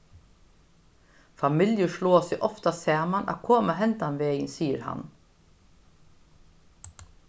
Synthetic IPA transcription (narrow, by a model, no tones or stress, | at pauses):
fɑmɪljʊʃɭoːsɛʔɔft̪ɑseːmɑnʔɑ̰ːkʰoːməhɛnt̪ɑnʋeːənsiːəɾhɑ̰n